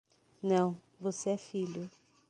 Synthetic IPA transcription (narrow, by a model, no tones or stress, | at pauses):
nɐ̃w̃ | voseɛfiʎʊ